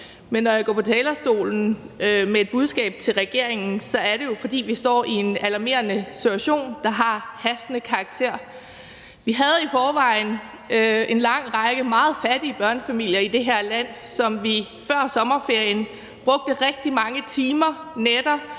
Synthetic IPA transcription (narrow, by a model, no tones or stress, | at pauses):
menːɒjäɡɒ̰ːpʰɒ̽t͡sʰɛːlɐsd̥o̝̰ːln̩ømee̝d̥̚b̥uð̞ˠsɡ̥ɛ̰ːb̥̚t͡sʰe̝lʁɛɡ̥e̝ɐ̰e̝ŋn̩sɒ̽æɐɾe̝jo̝fɒ̽d̥ḭːʋisd̥ɒ̰ːie̝nælɑ̈me̝̰ːɐnəsidʰuæɕo̝̰ːnd̥ɑ̈ɦɑ̈hæsd̥ənəkʰɑ̈ːɡ̥̚t͡sʰe̝ɐ̰ | ʋiɦæð̞̩ˠifɒːʋɑ̈ɪn̩ | e̝nlɑ̈ŋ̰ʁɑ̈ɡ̥əmɑ̈ːð̞̩ˠfæd̥iəb̥ɶɐnəfæmil̰jɐid̥e̝ɦæ̝ɐ̰læn̰sɒ̽mʋi | fɶɐ̰sɒ̽mɐfe̝ɐ̰jən | b̥ʁɔ̽ɡ̥̚d̥əʁɛɡ̥̚d̥imɑ̈ŋət͡sʰiːmɐned̥ɐ